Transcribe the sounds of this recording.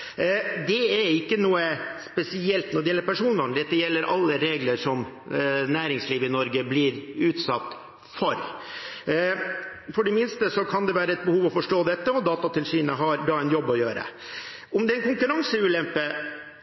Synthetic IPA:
d̪ɛɛɾɪkːənuːəspɛsɪɛlt̪nɔɖɛjɛlːəpʰæʂuːnʋɑŋd̪ɛt̪ːəjɛlːəɾʔɑ̰lːəɾeːɡləʂɔmnæːɾɪŋsliːʋəɪnɔɾɡəblɪɾʉːt̪sɑt̪ː | fɔɾ | fɔɖɛmɪnst̪əsɔkʰɑnd̪ɛʋæːɾəɛt̪̚bəhuːʋɔfɔʂʈoːd̪ɛt̪ːəɔd̪ɑːt̪ɑt̪ʰɛnsʂiːnəɦɑɾɖɑːɛnjɔbːɔjøːɾə̰ | ʊmd̪ɛnkʊŋkʉɾɑŋsəʉːlɛmpə

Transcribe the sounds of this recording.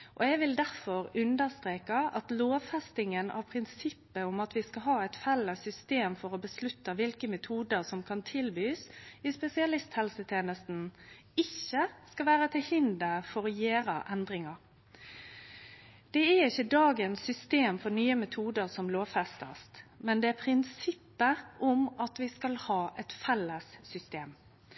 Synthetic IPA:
ʔɔɛɡʋɪld̪æɾfɔɾʉnd̪əʁst̪ɾeːkɑɑt̪loːʋfɛst̪ɪŋənʔɑ̰ʋpʰɾɪnsɪpːəʊmɑt̪ʋɪskɑɦɑːæɪt̪fɛlːəsʏst̪eːmfɔɾɔbəslʉt̪ːəʋɪlkəmɛt̪ʰuːd̪əʁsɔmkʰɑnt̪ʰɪlbyːsɪspɛsɪɑlɪst̪hɛlsət̪ʰeːnəst̪n̩ | ɪçːəskɑʋæːɾət̪ʰɪlhɪnd̪əfɔɾɔjeːɾə̰ʔɛnd̪ɾɪŋɑɾ | d̪̥ɛæɪçːəd̪ɑːɡənsːʏst̪eːmfɔɾnyːəmɛt̪ʰuːd̪əʁsɔmloːʋfɛst̪ə̰st̪mɛnd̪ɛæpʰɾɪnsɪpːəʔʊmɑt̪ʋɪskɑlhɑːʔɛt̪fɛlːəsːʏst̪eːm

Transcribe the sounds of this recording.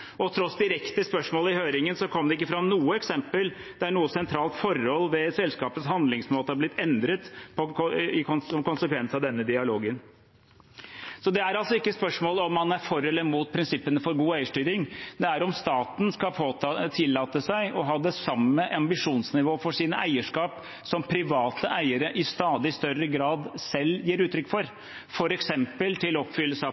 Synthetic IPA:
ɔt̪ʰɾɔsd̪ɪɾɛkt̪əspœʂmoːləɪhøːɾɪŋənsɔkʰɔmd̪ɛɪkːəfɾɑnuːəɛksɛmpəl | d̪ɛæɳuːəsɛnt̪ʰɾɑːlt̪fɔɾhɔlːʋɛsɛlskɑːpət̪shɑnd̪lɪŋsmoːt̪əɑɾblɪt̪ʰːɛnd̪ɾət̪pʰɔɔɪkʰɔnɔmkʊnsəkʰʋɛnsɑʋd̪ɛnːəd̪ɪɑloːɡən | sɔd̪ɛæɾɑlsɔɪkːəspœʂmoːlɔmːɑnæɾfɔɾɛlːəmut̪̚pʰɾɪnsɪpːənəfɔɾɡuːæɪəʂʈyːɾɪŋd̪ɛæɾɔmst̪ɑːt̪n̩skɑpʰoːt̪ɑt̪ʰɪlːɑːt̪əsæɪʔɔɦɑːd̪ɛsɑmːəʔɑmbɪʂuːnsnɪʋoːfɔʂiːnəʔæɪəʂkɑːp | sɔmpʰɾɪʋɑːt̪əʔæɪəɾəʔɪst̪ɑːd̪ɪst̪œrəɡɾɑːd̪sɛlːjiːɾʉːt̪ɾʏkːfɔɾ | fɔɾɛksɛmpəlt̪ʰɪlɔpfʏlːəsɑ

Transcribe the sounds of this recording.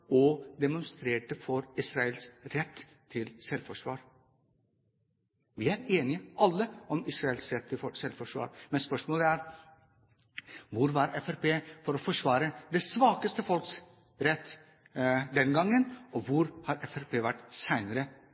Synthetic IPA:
ɔd̪ɛmʊnst̪ɾeːʈəfɔɾɪsɾɑɛlsɾɛt̪ːʰ | ɪlsɛlfɔʂʋɑ̰ːɾ | ʋɪæɾeːnɪəʔɑlːəɔmɪsɾɑɛlsɾɛt̪ʰːɪfɔsɛlfɔʂʋɑ̰ːɾmɛnspœʂmoːləæɾ | ʋʊɾʋɑɾɛfæɾpeːfɔɾɔfɔʂʋɑːɾəd̪ɛsʋɑːkəst̪əfɔlks | ɾɛt̪ː | d̪ɛnɡɑŋːənɔʋʊɾhɑɾɛfæɾpʰeːʋæʈːsæɪnəɾə

